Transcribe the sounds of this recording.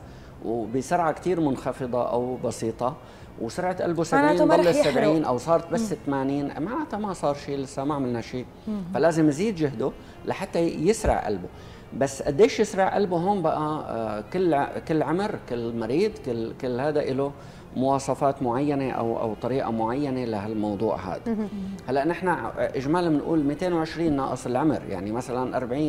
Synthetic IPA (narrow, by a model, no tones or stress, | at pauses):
wbɪsɑɾʕakt̪iːɾmʊnxɑfɨd̪ˤɑʔa̰wbɑsiːt̪ˤɑ | wsʊɾˤʕat̪ʔa̰lbusabʕiiːalːaːabʕiːnʔawsˤɑːɾˤt̪̚basːɪt̪ːamaːniːnʔmaʔat̪amasˤɑːɾˤʃiːlɪsːamaʕmalnaʃiː | falaːzɪmjziːd̪d͡ʒʊɦd̪u | laħat̪ːajɪsɾɪ̰ʕʔa̰lbu | basːʔad̪ːeːʃjɪsɾɑʕʔa̰lbuɦoːmbaʔakɪlːkɪlːʕʊmɾkɪlːmɑɾiːd̪ˤkɪlkɪlːhaːd̪aʔɪlo | mʊwɑːsˤɑfaːt̪mʊʕajːaneʔa̰wʔa̰wt̪ˤɑɾiːʔa̰mʊʕajːanelaɦalmɑwd̪ˤṵːʕha̰ːd̪ahalːaʔnɪħnaʔɪʒmaːlmɪnʔṵːlmiːt̪eːnwʕɪʃɾiːnːɑ̰ːʔɨsˤɪlʕʊmɾja̰ʕnimasalanʔɑɾˤbʕiːn